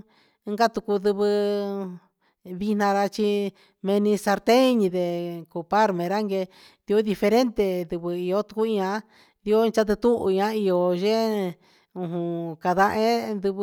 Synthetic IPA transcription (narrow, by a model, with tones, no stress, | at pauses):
ŋɡa˦t̪u˧ku˧d̪ɨ˧βɨ˧ | βi˧nã˧ɾa˧t͡ʃi˧ | mẽ˧nĩ˧sa˧ɾt̪ẽ˦˧ɲĩ˧d̪e˨ku˨pa˦ɾmẽ˨˧ɾa˦ŋɡe˧ | d̪i˧o˦d̪i˧fe˧ɾe˦nt̪e˧d̪ɨ˧βɨ˧i˨˧o˦t̪u̥˧ku˦ĩ˧ã˧˦ | d̪i˧o˦˧t͡ʃa˦t̪̬ɨ˧t̪u˦ʔṵ˧ĩ˧ã˦i˧o˧ʒẽ˦ | ũ˧ɦũ˧ka˧ða˧ʔẽ˦nd̪ɨ˧β